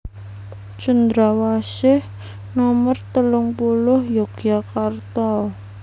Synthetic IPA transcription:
t͡ʃənd̪ɾawasɪh | nɔmərt̪əlʊŋpulʊhjoɡ̥akart̪ɔ

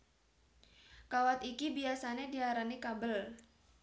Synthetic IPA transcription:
kawat̪ikibiasanediɦaɾanikabəl

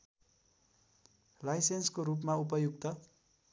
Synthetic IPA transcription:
lajsenskoɾup̬maupʌjuɡ̚t̪ʌ

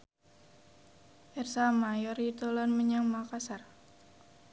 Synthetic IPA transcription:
ʔɛrsamajɔrit̪olanməɲaŋmakasar

